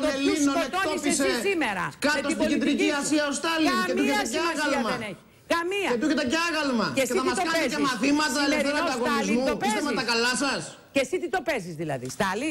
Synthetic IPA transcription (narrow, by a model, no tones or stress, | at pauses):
luinoet̪ooispiseisimeɾɐ̰kɐt̪ost̪ikid̪ɾiciɐsiɐost̪ɐliet̪uetɐaɐɣɐlmɐeneçi̥ | kɐmiɐet̪uket̪ɐcɐɣɐlmɐeseiɐiɐst̪okɐnizemɐθimɐt̪ɐelet̪eɾɐd̪ɐɣonzmupist̪emet̪ɐkɐlɐsɐs | cesit̪it̪o̞pezizðilɐ̰ðḭst̪ɐli